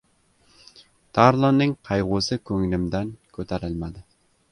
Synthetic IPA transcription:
t̪ʰɑɾlˠonːɪŋqʰɑjʁusɨkʲʰɵŋlɪmd̪ænkʲʰɵt̪ʰæɾɪlmæd̪ɪ

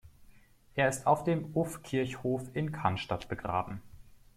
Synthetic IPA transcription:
ʔeːɐɪstaʊfd̥eːmʊfkʰɪɐçhoːfɪnkʰanʃtatb̥əɡʁa̰ːbm̩

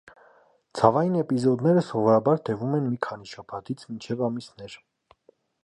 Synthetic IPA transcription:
t͡sʰɑvɑjinɛpizɔd̪nɛɾəsɔvɔɾɑbɑɾt̪ɛvumɛnmikʰɑniʃɑpʰɑt̪it͡sʰmint͡ʃʰɛvɑmisnɛɾ

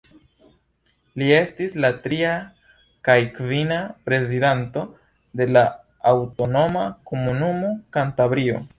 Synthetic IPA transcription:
lie̞stislatɾia | kajkvinapɾe̞zidanto̞ | de̞laː | wto̞no̞mako̞munumo̞kantabɾio̞̰

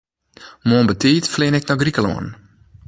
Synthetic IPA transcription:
moːnbətiːtflɪːnɛk̚nɔɡrikəlo̰ən

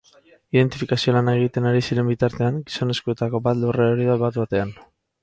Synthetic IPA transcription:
iðe̞nt̪ifikasio̞lanaeɣ̞it̪e̞naɾisiɾe̞mbit̪aɾt̪e̞aŋɡiso̞ne̞skue̞t̪ako̞bat̪lureoɾiðaβat̪βat̪e̞an

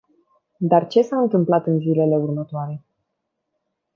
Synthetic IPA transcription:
d̪art͡ʃe̞saɨnt̪ɨmplat̪ɨnzile̞le̞urmət̪oaɾe̞

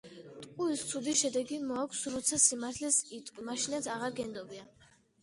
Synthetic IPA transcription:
t̪ʼkʼuist̪sʰud̪iʃɛd̪ɛɡimɔakʰsɾɔt̪sʰasimaɾt̪ʰlɛsit̪ʼkʼwimaʃinat̪sʰaʁaɾɡɛnd̪ɔbia

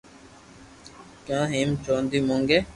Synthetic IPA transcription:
kjãːɦiːmt͡ʃõːnd̪iːmõːŋɡeː

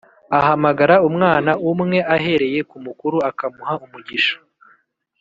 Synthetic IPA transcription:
aɦamaɡaɾaumŋaːnaʔumŋe̞ʔaɦe̞ɾe̞je̞kumukuɾuakamuhaumuɟiʃo̥

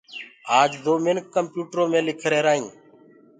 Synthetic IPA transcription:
aːd͡ʒd̪oːmeːnkəmpjuːʈɾoːmẽːlɪkʰɾeːɾaːɦĩː

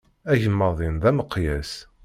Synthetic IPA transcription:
æʝəmːəðˤinðæməqːjæs

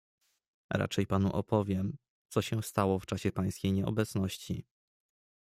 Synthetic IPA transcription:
ɾa̰t͡ʂɛjpanuʔɔpɔvʲjɛm | t̪sɔɕɛst̪awɔft͡ʂaɕɛpaj̃skʲejɲɛɔ̰bɛt̪sn̪ɔɕt͡ɕḭ

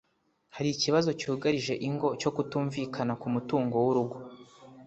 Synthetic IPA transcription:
haɾiːciβazo̞cuːɡaɾiʒe̞ʔiŋɡo̞co̞kutuːɱviːkʰanakumutuːŋɡo̞wuɾuɡo

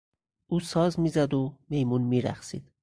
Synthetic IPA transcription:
ʔuːsɒːzmiːzæd̪ome̞jmunmiːɾæ̰xsḭːd̪̥

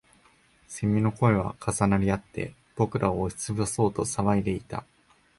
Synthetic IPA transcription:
semʲino̞ko̞e̞β̞a̰kʰasanaɾʲiat̪ːe̞̰ | b̥o̞kɯ̟ɾʔaoːɕi̥t͡sɨbɯso̞ːt̪osaβaid̪e̞it̪a̰

